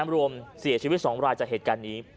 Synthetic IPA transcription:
mɾu˧əmsi˨˩˦t͡ɕʰiː˧˦˥t̪̚sɔː˩˦ŋɾaː˧jt͡ɕa˨˩k̚heː˨˩t̪kaː˧nːiː˦˥

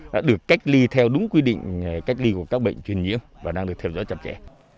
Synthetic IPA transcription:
a̰ː˧˥ɗɨ˨˩əkːa˦˥jk̟̚li˧t̪ʰɛ˧wɗʊ˨˦ŋ͡mkwi˧ɗḭ̈˧˨ŋ̟ka˦˥jk̟̚li˧ku˧˩əkaː˦˥k̚ɓə̰˧˨jŋ̟t͡ɕwi˨˩ənɲḭ˧˥əmvaː˨˩ɗaː˧ŋɗɨ˨˩ək̚t̪ʰɛ˧wzɔ̰˧˦t͡ɕə˨˩p̚t͡ɕɛ̰˧˩

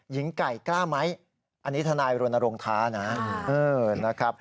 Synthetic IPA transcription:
ji˩˦ŋka˨˩jklaː˥˩ma˦˥j | ʔa˧nːi˦˥t̪ʰa˧naː˧jɾu˧na˧ɾoː˧ŋt̪ʰaː˦˥na˦˥ʔɤː˧˩na˦˥kʰɾa˦˥p̚

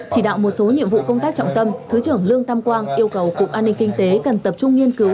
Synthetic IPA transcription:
t͡ɕi˧˩ɗa̰ː˧˨wmo˨˩t̚so˨˦ɲḭ˧əmvṵ˧˨kə˧wŋ͡mt̪aː˦˥k̚t͡ɕɔ̰˧˨ŋ͡mt̪ə˧mt̪ʰɨ˨˦t͡ɕɨ˧˩əŋlɨ˧əŋt̪ʰa˧mkwaː˧nʔi˧əwkə˨˩wkʊ˨˩k̚ʔaː˧nːï˧ŋ̟kï˧ŋ̟t̪e˨˦kə˨˩nt̪ə˨˩p̚t͡ɕʊ˧ŋ͡mŋi˧ənkɨ˨˦w

